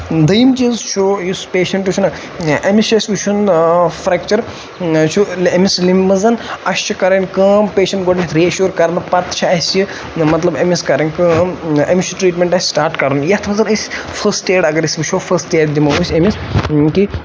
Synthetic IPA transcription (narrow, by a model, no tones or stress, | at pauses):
d̪ɐjimt͡ʃiːzt͡ʃʰojuspeːʃɐɳʈut͡ʃʰunɨ | ɐmisɐsʲʋiʃʰunfɾɛkt͡ʃɐɾ | t͡ʃʰuemislimːɐzɐnɐst͡ʃʰikɐɾɐnʲkəːmpeːʃɐɳʈɡoʈmʲit̪ʰɾiɐʃuːɾkɐɾnɐpɐt̪t͡ʃʰɐɐsji | mɐt̪lɐbɐmiskɐɾɐnʲkəːmɐ̰mʲiʃuʈɾiːʈmʲeɳʈɐsʲsʈaːɾʈkɐɾnjɐt̪ʰʋɐzɐnɐsʲfʰɐseːɖɐɡɐɾisʲʋiʃʰoːfʰɐsʈeːɽd̪imɐʋusʲɐmiski